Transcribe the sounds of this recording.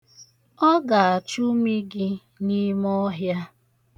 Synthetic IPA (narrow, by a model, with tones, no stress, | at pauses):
ɔ˦ɡa˨a˨t͡ʃu˦mi˦ɡɪ˦ | ni˦mɔ˦ɦja˦